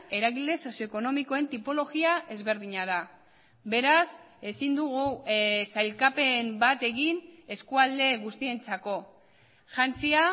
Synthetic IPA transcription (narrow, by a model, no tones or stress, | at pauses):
e̞ɾaɣile̞so̞sjo̞eko̞no̞miko̞e̞nt̪ipo̞lo̞ɣiaʔe̞zβe̞ɾðiɲað̞a | βe̞ɾas | e̞sind̪uɣ̞usajlkape̞mbat̪e̞ɣine̞skuald̪e̞ɣust̪ie̞nt͡sako̞ | ʝant͡sia